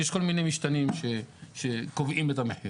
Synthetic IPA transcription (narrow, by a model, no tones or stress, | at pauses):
jeʃkolminemiʃt̪animʃeʃekovʔimet̪ameħjo